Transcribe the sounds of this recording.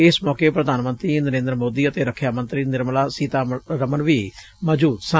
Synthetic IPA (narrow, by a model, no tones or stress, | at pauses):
ɪsmɔːkeːpɾəd̪ʱaːnmə̃nt̪ɾiːnəɾẽːnd̪əɾəmoːd̪iːət̪eːɾəkʰːjaːmə̃nt̪ɾiːnɪɾmlaːsiːt̪aːɾəmənʋiː | məd͡ʒuːt̪sã